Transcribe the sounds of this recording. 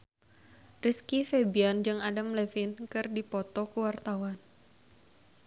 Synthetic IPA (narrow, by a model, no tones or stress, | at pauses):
riskifebiand͡ʒɨŋadamlefinkɨrdipɔt̪ɔkuwart̪awan